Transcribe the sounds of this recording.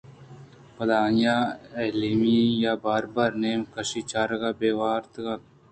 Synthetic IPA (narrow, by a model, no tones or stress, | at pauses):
pɐlaːnjaeːlimijaːbaːɾbaːɾneːmkəʃiːt͡ʃaːɾɡaːbeːwaːɾt̪ɡa